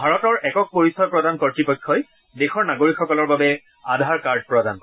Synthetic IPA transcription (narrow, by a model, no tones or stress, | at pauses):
bʱaɹɔtɔɹɛkɔk̚poɹisɔjpɹɔdankɔɹtipɔjkʰːɔj | dexɔɹnaɡoɹikʰxɔkɔlɔɹbabɛ | adʱaɹkaɹd̚pɹɔda̰n